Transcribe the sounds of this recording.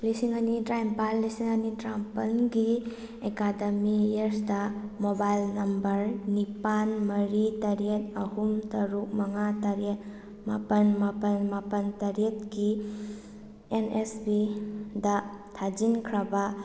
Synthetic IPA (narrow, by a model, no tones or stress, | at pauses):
lisiŋanidɾajmpalːisiŋɐnidɾampɐnɡi | ekadɐmijeɾsdamobajlnɐmbɐɾnipanmɐɾitɐɾiet̚ɐhumtɐɾuk̚mɐŋataɾet | mapɐnmapɐnmapɐntɐɾet̚ɡi | enesbidatʰad͡ʒinkʰɾaba